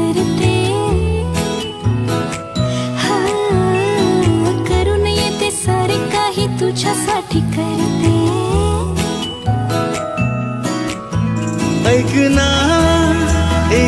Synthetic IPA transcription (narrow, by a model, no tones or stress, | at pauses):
ɐɾt̪e | ha | kɐɾunɐjẽt̪esaɾekaɦit̪ut͡ʃʰapaʈʰikɐɾt̪e | əjkɨna | e